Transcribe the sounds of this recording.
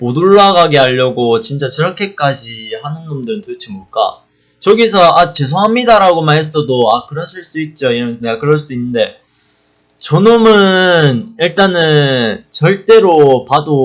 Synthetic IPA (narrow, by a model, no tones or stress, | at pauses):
moduɭːaɡaɡeaʎːʌɡot͡ɕint͡ɕ͈at͡ɕɯɾʌkʰe̞k͈ad͡ʑihanɯnːomdɯɾɯntɯt͡ɕʰimɡoɭk͈a̰ | t͡ɕʌɡisʰʌat͡ɕe̞sʰoɦamɲidaɾaɡomaɦes͈ʌdoakɯɾʌɕʰiɭs͈uit̚t͡ɕ͈oiɾʌjʌnsʰʌne̞ɡakɯɾʌɭs͈uinːɯnde̞ | t͡ɕʌnomɯniɭt͈anɯt͡ɕʌɭt͈e̞ɾopado